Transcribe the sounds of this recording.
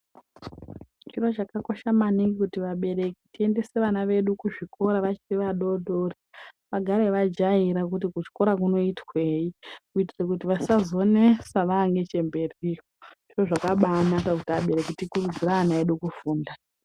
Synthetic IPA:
t͡ʃiro̞t͡ʃakako̞ʃamaniŋɡikutiʋaɓe̞ɾe̞kitie̞nde̞se̞ʋanaʋe̞ɗukuʐiko̞ɾaʋat͡ʃiriʋaɗo̞ɗoriʋaɡʱaɾe̞ʋad͡ʒaiɾak̬ut̬ikuʐi̥ko̞ɾak̬uno̞itwe̞ikuitirek̬ut̬iʋasazo̞nesaʋaːŋɡe̞t͡ʃe̞mbe̞riːjoʐ̥iroʐakaɓanatakutiaɓe̞ɾe̞kitikurud͡ziraanaeɗukufuːnda

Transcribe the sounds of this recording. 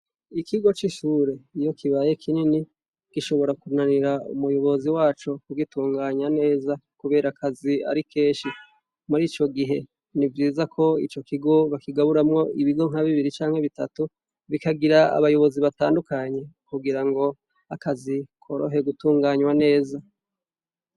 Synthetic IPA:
ikiɡo̞t͡ʃiʃuːɾe̞ijo̞kiβaːjekʰinini | kiʃo̞βo̞ɾakunaniɾaṵmujo̞βo̞ziwaːt͡ʃokuɡituːŋɡaːɲwane̞ːzakuβe̞ːɾakazia̰ɾike̞ːʃi | muɾiːt͡ʃo̞ɡiɦe̞ | nivjiːzakʰo̞ḭt͡ʃo̞kiɡo̞βakiɡaβuɾamŋo̞iβiɡo̞ŋ̥aβiβiɾit͡ʃaːŋ̥he̞βitatu | βikaɡiɾaa̰βajo̞βo̞ziβataːndukaːɲe̞kuɡiɾaŋɡo̞ | akazikʰo̞ɾo̰ɦe̞ɡutuːŋɡaːɲwane̞ːza

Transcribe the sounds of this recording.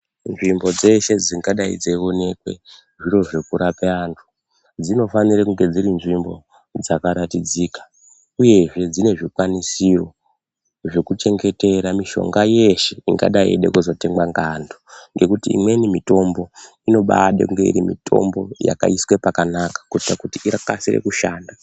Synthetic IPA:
nʐimbo̞d͡ze̞ʃe̞d͡ziŋɡaɗaḭd͡zeo̞ne̞kwe̞̰ | ʐiɾo̞ʐe̞kuɾapeantʰu̥ | d͡zino̞fanirekuŋɡe̞d͡ziɾinʐimbo̞̰ | d͡zakaɾatid͡ziːkḁ | uje̞ʐe̞d͡zine̞ʐikwanisiro̞ | ʐekut͡ʃe̞ŋɡe̞te̞ɾamiʃo̞̰ŋɡaje̞ʃe̞iŋɡa̰ɗaḛɗḛkuzote̞ŋɡwaŋɡandoŋɡe̞kutḭːmwe̞nimito̞mbo̞ | ino̞ɓa̰ɗekuŋɡeḭɾimḭtʰo̞̰mbo̞̰ja̰ka̰iswe̞pakanakḁkuitakutiirakasirḛkuʃaːnda

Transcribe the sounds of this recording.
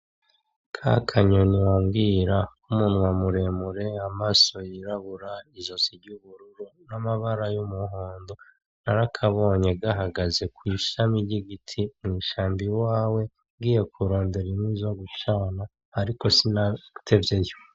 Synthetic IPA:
kʰa̰kʰaɲonijoːŋɡiːɾaumuːnuwamuɾe̞muɾe̞amaso̞jiɾaβuɾaizo̞siɾɟuβuɾuɾunamaβaɾajumuɦoːndo̞ | naɾakʰaβo̞ːɲe̞ɡaɦaɡaze̞kwiːʃamiɾɟiɡitʰimŋiːʃaːmbiwaːwe̞ | ŋɡiːje̞kuɾo̞ːnde̞ɾimwizo̞ɡut͡ʃaːna | haɾiko̞sinatʰe̞vje̞jo

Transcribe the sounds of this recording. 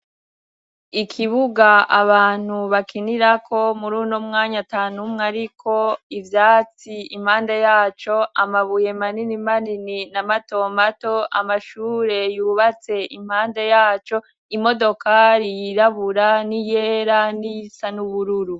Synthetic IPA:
ikʰiβuɡaaβaːn̥huβakiniɾakʰo̞muɾuːnomŋaːɲataːnumŋaɾikʰo̞ivjaːt͡siim̥haːndajaːt͡ʃo̞amaβuje̞maninimanininamato̞mato̞a̰maʃuːɾe̞juːβat͡se̞ʔim̥haːndajaːt͡ʃo̞ | imo̞do̞kaɾijiɾaβuɾanijeɾanisanuβuɾuɾu

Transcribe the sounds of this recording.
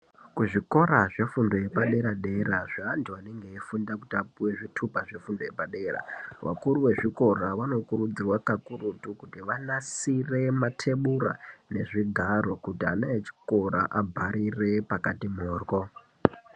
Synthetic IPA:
kuʐiko̞ɾaʐe̞fundo̞je̞paɗe̞ɾaɗe̞ɾaʐaːntiwane̞ŋɡe̞ifundakutiapuwe̞ʐitʰupaʐe̞fundoje̞paɗe̞ːɾa̰ʋa̰kuɾuwe̞ʐiko̞ɾaʋano̞kurud͡zirwakakuɾutukutiʋanasire̞matʰe̞ɓura̰ne̞ʐiɡʱaro̞kutia̰neet͡ʃi̥ko̞ɾa̰ʔabʱaɾire̞pakatimoːrko̞

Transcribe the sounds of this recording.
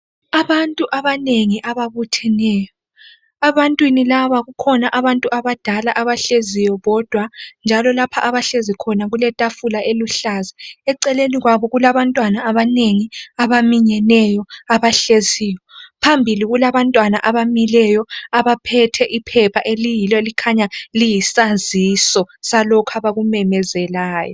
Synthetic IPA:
aβantʼuʔaβaneŋiʔaβaβutʰɛnɛːjɔ | aβantʼwinilaβaɣukʰɔnaʔaβantʼuʔaβad̥ʱalaʔaβaɬezijɔβɔd̥ʱwand͡ʒʱalɔlapʰaʔaβaɬezikʰɔnaɣulɛtʼafulaʔeluɬaːziɛǀɛleniɣwaβɔɣulaβantʼwanaːβaneŋiaβamiɲɛnɛjɔaβaɬeziːjɔpʰambʱiliɣulaβantʼwanaʔaβamilɛjɔaβapʰɛtʰɛʔipʰɛpʰaʔelijilɔlikʰaɲalijisanzisɔsalɔkʰaβaɣumɛmɛzɛlaːjɔ

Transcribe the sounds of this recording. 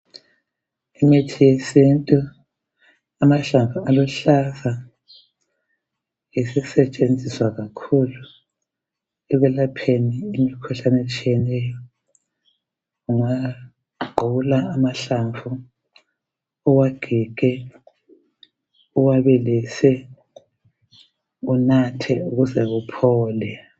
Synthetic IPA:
imetʰijesintʼu | amaɬaɱvualɔɬaza | esɛsɛt͡ʃʼend͡zʱiswaɣakʰulu | ɛɣɛlapʰeniːmikʰuɬanɛt͡ʃʼijɛnɛjɔ | uŋa | ɡ͡ǃʱulaːmaɬaɱvu | ɔwaɡ̥ʱiɡ̥ʱɛ | uwaβɛlɛsɛ | unatʰɛuɣuzɛɣupʰɔːlɛ

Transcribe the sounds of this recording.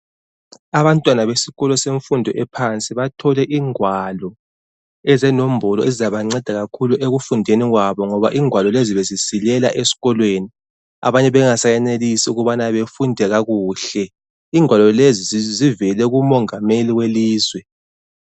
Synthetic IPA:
aβantʼwanaβesiɣɔlɔseɱfundʱɔʔɛpʰant͡sʼiβatʰɔlɛʔiːŋwalɔ | ɛzɛnom̩bʱɔlɔɛzizaβaŋ͡ǀɛd̥ʱaɣakʰuluʔeɣufundʱeniɣwaβɔŋɔβa̰ʔiːŋwalɔleziβezisilɛla̰ʔesi̥ɣɔlweːni | a̰βaɲɛβɛŋasajɛnelisiuɣuβanaβefundʱɛɣaɣuːɬɛ | iːŋwalɔlezizivɛlɛɣumɔŋameliweliːzwɛ

